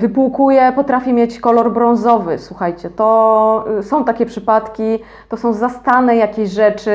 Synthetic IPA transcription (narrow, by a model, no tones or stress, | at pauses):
vɘpuwkujɛpɔt̪ɾafʲimʲjet͡ɕkɔlɔɾbɾɔ̃ñzɔvɘswuxajt͡ɕɛt̪ɔ | sɔ̃w̃t̪akʲɛpʂɘpat̪kʲi | t̪ɔsɔ̃w̃zast̪anɛjakʲeɕʐɛt͡ʂɘ